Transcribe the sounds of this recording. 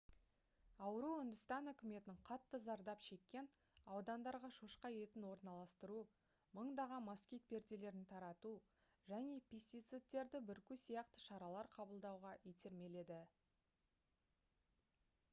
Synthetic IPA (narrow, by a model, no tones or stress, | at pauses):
ɑwəɾuʏnd̪ʏst̪ɑnʏkʲɪme̞t̪ɪɴqʰɑt̪ːəzɑɾd̪ɑpʃe̞kʲːe̞n | ɑwd̪ɑnd̪ɑɾʁɑʃuʃqɑje̞t̪ɪnwo̞ɾnɑlˠɑst̪əɾu | məɴd̪ɑʁɑmmːɑskʲijt̪̚pe̞ɾd̪ele̞ɾɪnt̪ʰɑɾɑt̪u | ʒæne̞pʲʰest̪ijt̪sɨt̪̚ːe̞ɾd̪ɪbɪɾkʲʏsijɑqt̪ə̥ʃɑɾɑlˠɑɾqʰɑbəlˠd̪ɑwʁɑjet̪ʰe̞ɾme̞le̞d̪ɪ